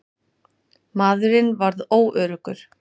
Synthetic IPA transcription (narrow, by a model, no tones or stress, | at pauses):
maːðʏɾɪnvaɾðoːwʔœːɾʏkʏɾ̥